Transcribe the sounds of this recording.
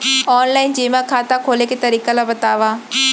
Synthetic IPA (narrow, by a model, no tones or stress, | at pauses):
ɔːnlaːɪnd͡ʒiːmãkʰaːt̪akʰoːleket̪ɐɾiːkalabət̪aːʋaː